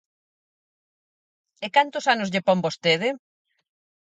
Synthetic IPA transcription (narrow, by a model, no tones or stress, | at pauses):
ekant̪ʊsanʊzʎepombost̪eð̞ɪ